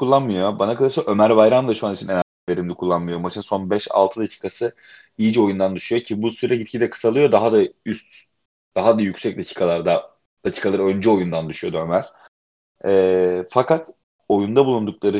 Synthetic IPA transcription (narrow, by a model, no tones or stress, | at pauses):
kulˠːanmɯjo̞banakat̪aɾʃaʔø̞mæɾbajɾamd̪ˠaʃuanit͡ʃʰinena | veɾimd̪ʲɛkʰulˠːanmɯjo̞mat͡ʃʰɯnso̞nbɛʃa̰lˠt̪ʰɯd̪acʰi̥ːkʰasɯ | ijid͡ʒɛo̞jund̪and̪yʃujo̞cʰibusujɾaɟit̪̚cʰid̪ɛkʰɯ̥salˠɯjo̞d̪aɦad̪ayst̪ | d̪̥aɦad̪ajycsɛc̚d̪acʰi̥ːkʰalˠaɾd̪a | d̪̥acʰi̥ːkʰalˠaɾaø̞nd͡ʒɛo̞jund̪and̪yʃyjo̞d̪uø̞mæɾ̥ | ɛːfakat̪ | o̞jund̪abulˠund̪uk̚lˠaɾɯ